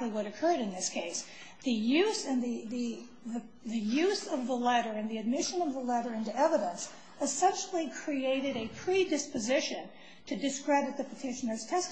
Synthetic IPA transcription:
liwʌɾɨkʰɜ˞ɾɨ̃nðɪskʰeɪs | ðɨjʉzɨ̃nðɨðɨ | ðɨ | ðɨjʉzʌvðəlɛɾə˞ɨ̃nðiɨd̚mɪʃɨ̃nʌvðəlɛɾə˞ɪ̃ntuɛvəɾə̃ns | ɨsɛ̃nʃl̩ˠikʰɹ̥ieɪɾɨɾɨpʰɹ̥idɨspɨzɪʃɨ̃n | tʰɨdɨskɹ̥ɛɾɨt̪̚ðɨpʰətʰɪʃɨnə˞z̥tʰɛs

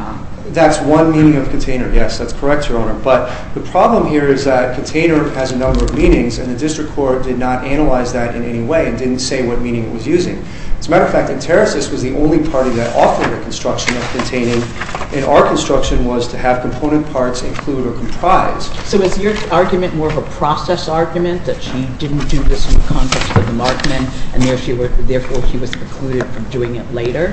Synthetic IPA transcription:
ðætswʌ̃nmĩñɪ̃ŋʌv̥kʰn̩tʰẽɪ̃nə˞jɛsðætskʰə˞ɛk̚tʰə˞õʊnə˞b̥ʌt̪̚ | ðɨpʰɹ̥ɑblə̃mɦiɹɪzðɨt̚kʰn̩tʰẽɪ̃nə˞ɨzɨnʌ̃mbə˞ʌvmĩñɪ̃ŋzɨ̰̃nðɨdɪstɹ̥ɨkʰːɔɹt̚d̥ɨdⁿnəɾʔænəlaɪzðɨɾɨ̰̃nʔɛ̰niweɪɨ̃ndɪdⁿn̩tseɪwʌt̚mĩñɪ̃ŋɨ̰ʔ̚wʌzjʉzɪ̰̃ŋ | ɨtsmæɾə˞ʌfæk̚tɨ̃ntʰɛɹɨsɨswʌzðiʔõ̰ʊ̃nlipʰɑɹɾiðɨɾʔɔ̰fə˞ðɨkʰn̩stɹ̥ʌkʃɨ̃nʌv̥kʰɨ̃ntʰẽɪ̃ñɪ̃ŋʔɨ̃na̰ʊə˞kʰn̩stɹ̥ʌkʃɨ̃nwʌz̥tʰɨɨv̥kʰm̩pʰõʊñɨ̃npʰɑɹtsɨ̃nkʰl̥uɾə˞kʰm̩pʰɹ̥aɪz̥soʊɨzjə˞ɑɹɡjɨmɨ̃nwɔɹʌvəpʰɹ̥ɔsɛsɑɹɡjɨmɨ̃nðɨtʃidɪdⁿn̩d̥ɨðɪsn̩əkʰɑ̃ntʰɛkstwʌðəmɑɹk̚mɨ̃nʔɨ̃nðə˞ʃiwəðɛɹfɔɹʃiwʌz̥pʰəkʰl̥ʉɾɨd̥fɹʌ̃mdʉɪ̃ŋɪtˡleɪɾə˞

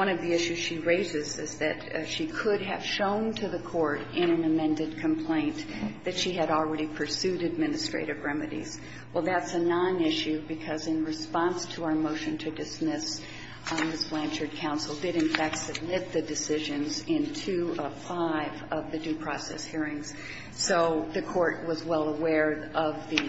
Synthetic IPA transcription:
wʌ̃ɾnʌvðiɪʃʉz̥ʃiɹeɪzɪzɪ̰zðɨtʃikʰəɾ̚ɨ̰v̥ʃõʊ̃ntʰɨðɨkʰɔɹɾɪ̃ñɨ̃nɨmɛ̃ndɨd̚kʰɨ̃mpʰl̥ẽɪ̃nðɨtʃiɨɾl̩ˠɹɛɾipʰə˞sʉɾɨd̚mɪnɨstɹ̥ḛɪɾɨvɹɛmɨɾḭz̥ | wɛlˠðætsɨnɑ̃nɪʃʉbɨkʰʌzɨ̃nɹɨspɑ̃nstʰəaə˞moʊʃɨ̃ntʰɨdɨsmɪs | mɪsb̥læ̃nt͡ʃə˞d̚kʰãʊ̃nsl̩ˠdɨɾɨ̃nfæk̚tsɨb̚mɪt̪̚ðɨdɨsɪʒɨ̃nzɪ̃ntʰʉəfaɪvʌvðɨdʉpʰɹ̥ɔsɛ̰shiɹɪ̃ŋz̥ | soʊðɨkʰɔɹʔ̚wʌzwɛlˠəwɛɹʔʌvðɨ

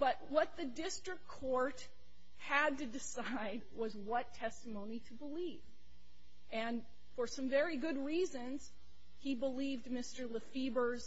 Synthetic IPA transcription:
b̥ʌt̚wʌt̪̚ðɨdɪstɹ̥ɨkkʰɔɹt̚ | hɨd̚tɨdɨsaɪd̚wʌzwʌtʰɛstəmõʊ̃niɾɨbəliv̥ | ɨ̃n | fə˞sʌ̃ɱvɛɹiɡʊd̚ɹizɨ̃nz̥ | ibəlivdmɪstə˞ləfibə˞z̥

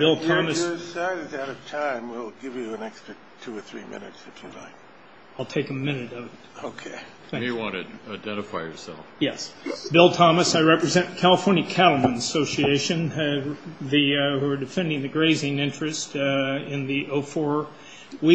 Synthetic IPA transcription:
b̥ɪlˠtʰɑmɨə˞ɨsaɪɾɨɾaʊɾʌv̥tʰãɪ̃mwilˠɡɪvjɨə̃nɛkstɹ̥ɨ | tʰʉə˞θɹḭmɪ̰̃nɨ̰tsɨfjɨ̰la̰ɪk̚ | aɪlˠtʰeɪkɨmɪ̃nɨɾʌvɨt̚oʊkʰeɪ | θæ̃wɑ̃nɨdaɪdɛ̃ɾ̃ɨfaɪjə̰˞sɛ̰lˠfjɛsb̥ɪlˠtʰɑməsaɪɹɛpɹɨzɛ̃nkʰælˠəfɔɹnjɨkʰæɾl̩ˠmə̃nəsoʊsieɪʃɨ̃n | ðiə˞dɨfɛ̃ndɪ̃ŋðɨɡɹeɪzɪ̃ŋɪ̃nt͡ʃɹ̥ɨstɪ̃nðiʔoʊfɔɹ | wi

